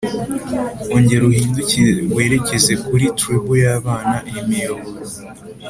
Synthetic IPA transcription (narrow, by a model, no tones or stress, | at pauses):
oɲɟeɾuhiːnduciwe̞ːɾe̞ceze̞kuɾitɾebujaːβaːnaʔjimijoβoɾo